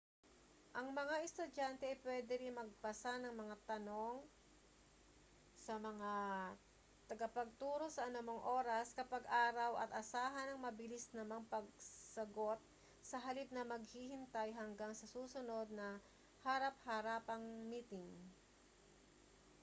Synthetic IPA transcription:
ʔɐŋmɐŋaʔɛst̪ʊd͡ʒant̪ɛʔɐjpwɛːd̪ɛɾɪnmɐɡ̚pɐsanɐŋmɐŋat̪ɐno̞ŋ | sɐmɐŋa | t̪ɐɡɐpɐɡ̚t̪uːɾo̞sɐʔɐnɐmoŋʔo̞ːɾɐskɐpɐɡʔaːɾɐwʔɐt̪ʔɐsaːɦɐnɐŋmɐbɪlisnɐmɐŋpɐɡ̚sɐɡo̞t̪̚ | sɐɦɐlip̚nɐmɐɡ̚hihɪnt̪ajɦɐŋɡaŋsɐsuːsʊno̞d̪̚nɐ | hɐɾap̚hɐɾaːpɐŋmiːt̪ɪŋ

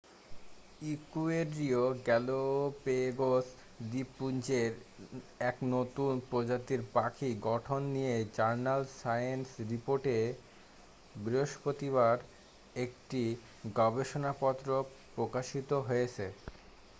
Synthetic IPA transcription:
ikueɖɾioɡɛlopeɡos | d̪ipːunt͡ɕeɾɛknot̪unpɾod͡ʑat̪iɾpakʰiɡɔʈʰonːijed͡ʑaɾnalsajensɾipoɾʈe | bɾiɦoʃpot̪iβaɾ | ekʈi | ɡɔbeʃonapɔt̪ːɾo | pɾokaʃit̪oɦojet͡ɕʰe

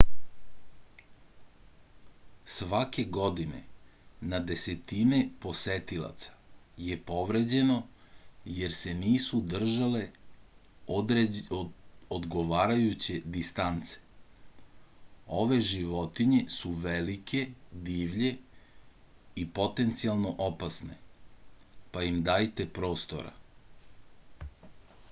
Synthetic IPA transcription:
sʋake̞ɡo̞d̪ine̞̰nad̪e̞se̞t̪inepo̞set̪ilˠa̰t̪sḁje̞po̞ʋɾe̞d͡ʑe̞no̞ | je̞ɾse̞niːsud̪r̩ʒale̞ | od̪ɡo̞ʋaːɾajut͡ɕed̪ist̪ant̪se̥ | o̞ʋe̞ʒiʋo̞t̪iɲe̞suʋelikʰe̞d̪iːʋʎe̞ | ipo̞t̪e̞nt̪sialˠno̞ʔopasne̞̰ | paimd̪aːjt̪e̞pɾo̞ːst̪o̞̰ɾa̰

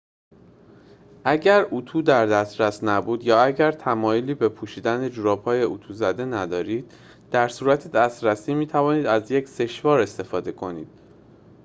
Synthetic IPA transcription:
ʔæɟæɾut̪ʰuːd̪æɾd̪æst̪ɾæsnæbuːd̪jɒːæɟæɾt̪ʰæmɒːjoliːbe̞pʰuːʃiːd̪æned͡ʒuɾɒːphɒːje̞ʔut̪ʰuzæd̪e̞næd̪ɒːɾiːd̪̥̚ː | æɾsuːɾæt̪ʰed̪æst̪ɾæsiːmiːt̪ʰævɒːniːd̪æzje̞cse̞ʃvɒːɾe̞st̪e̞fɒːd̪e̞kʰo̞niːd̪̥̚

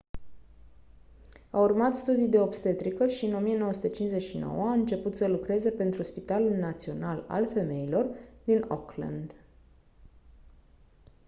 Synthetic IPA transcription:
aurmat̪st̪ud̪ijd̪e̞opst̪e̞t̪ɾikəʃiɨno̞mije̞nowəsut̪et͡ʃinsze̞ʃino̞̰wəaɨnt͡ʃe̞put̪səlukɾe̞ze̞pe̞nt̪ɾuspit̪alulnat̪sio̞nala̰lfe̞me̞ilo̞rd̪ino̰kla̰nd̪

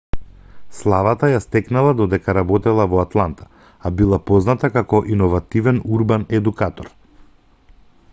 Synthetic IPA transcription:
slˠavat̪ajast̪ɛknalˠad̪ɔd̪ɛkaɾabɔt̪ɛlˠavɔat̪lˠant̪ʰḁ | abilˠapɔznat̪akakɔʔinɔvat̪ivɛnuɾbanɛd̪ukat̪ɔɾ

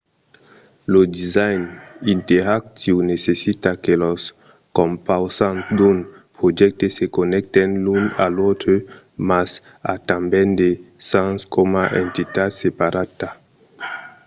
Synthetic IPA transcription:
lodizajninteɾak̚tiwnesesitakelos | kompawsandun | pɾod͡ʒɛk̚tesekonɛk̚tenluna̰lotø | mas | atambɛndesanskʰomaʔentitatsepaɾata

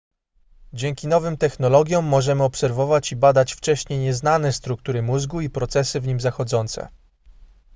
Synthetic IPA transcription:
d͡ʑɛŋkʲinɔvɘmt̪ɛxnɔlɔɡʲjɔ̃mːɔʐɛmɘɔpsɛɾvɔvat͡ɕibad̪at͡ɕft͡ʂɛɕɲejɲɛzn̪anɛst̪ɾuk̚t̪uɾɘmuzɡuipɾɔt̪sɛsɘvɲimzaxɔd̪zɔnt̪sɛ̰

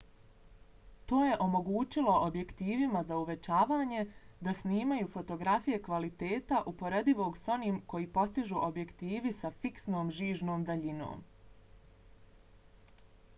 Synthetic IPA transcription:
t̪o̞ːje̞ʔo̞mo̞ɡuːt͡ʃilo̞ʔobje̞kt̪iːʋimazauʋe̞t͡ʃaːʋaːɲe̞d̪asniːmajuːfo̞t̪o̞ɡɾafije̞kʋalit̪e̞ːt̪aʔupo̞ɾe̞d̪iʋo̞ːɡso̞niːmko̞jiːpo̞st̪iʒuʔo̞bje̞kt̪iːʋisafiksno̞ːmʒiːʒno̞ːmd̪aʎino̰ːm

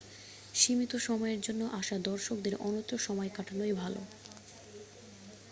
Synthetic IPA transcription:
ʃimit̪oʃɔmɔeɾd͡ʑonːoʔaʃad̪ɔɾʃok̚d̪eɾʔɔnot̪ːɾoʃɔmɔekaʈʰanojbʱalo̰

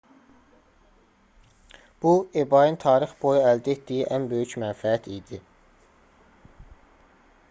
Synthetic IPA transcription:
b̥uebɑjɯnt̪ʰɑːɾiχbo̞juæld̪æet̪d̪̥ijiʔænbø̞jycmænfææt̪ʰid̪i

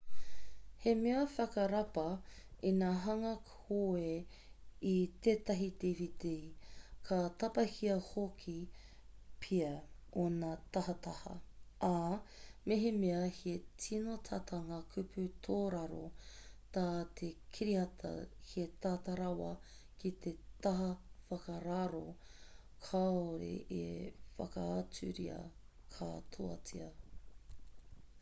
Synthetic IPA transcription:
hemeɐfɐkɐɾɐpɐ | inaːɦɐŋɐkʰ | oe | it̪eːt̪ɐɦitevit̪ekʰɐt̪ɐpɐhiɐhokʰi | pʰiɐonat̪ɐhɐt̪ɐhɐ̰ʔameɦemeɐhetʰinot̪ʰɐt̪ʰɐŋɐkʰʉpʰʉt̪ʰoːɾɐɾot̪aːt̪ʰekʰiɾiɐt̪ʰɐ̰het̪at̪ɐɾɐwɐ | kit̪ʰet̪ɐɦɐfɐkɐɾaɾo | kʰaoɾḛʔefɐ̰kɐːt͡sʉ̰ɾḭɐ̰ | kʰa̰t̪ʰoɐ̰t͡sḭɐ

